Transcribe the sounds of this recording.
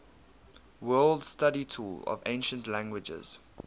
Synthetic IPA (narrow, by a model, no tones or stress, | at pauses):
wɜːldstaɾitʰuːlɔ̰vẽnʃə̃ntlæ̃ŋɡwɪd͡ʒə̰z̥